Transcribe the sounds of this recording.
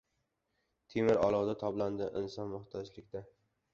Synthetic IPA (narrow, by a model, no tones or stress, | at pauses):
t̪ʰemɪɾɒ̰lˠɒʁd̪at̪ʰɒbland̪ɪʔɪnsɒnmʊht̪ʰɒd͡ʒlɪkʲd̪a